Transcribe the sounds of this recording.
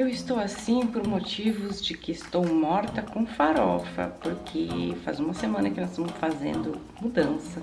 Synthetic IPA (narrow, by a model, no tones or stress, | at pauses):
ewɪst̪owasĩpoɾmot͡ʃivʊzd͡ʒɪkɪːst̪owmɔɾt̪ɐkõfaɾɔfɐ̰poɾkʰefa̰zũmɐsemɐ̃nɐkɪnɔzst̪ɐ̃mʊsfazḛ̃nd̪ʊ | mud̪ɐ̃sɐ